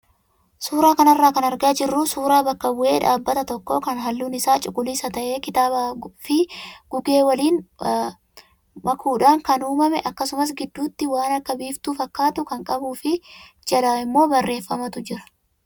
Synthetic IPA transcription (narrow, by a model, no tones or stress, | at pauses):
suːɾaːkɐnɐrːaːkɐnɐɾɡaːd͡ʒɪrːuːsuːɾaːbɐkːɐbʊʔe̞ːᶑaːbːɐt̪ɐt̪ɔkːo̞ːkɐnɦɐlːuːnɪsaːt͡ʃʼʊkʼːʊliːsɐt̪ɐʔe̞ːkɪt̪aːbafɪɡ̥ʊɡe̞ːwɐliːn | mɐkuːᶑaːŋkɐnuːmɐmɛʔɐkːɐsʊmɐs̬ɡɪd̪ːuːt̪ːɪwaːnɐkːɐbiːft̪uːfɐkːaːt̪ʊkɐŋkʼɐbuːfɪd͡ʒɐlaːɪmːo̞ːbɐrːe̞ːfːɐmɐt̪ʊd͡ʒɪɾɐ̥